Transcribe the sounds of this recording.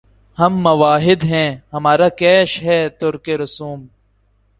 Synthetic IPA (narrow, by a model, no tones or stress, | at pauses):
hɐmːɐʋaːɦɪd̪ɦɛ̃ːhɐmaːɾakɛːʃɦɛːt̪ʊɾkeɾʊsuːm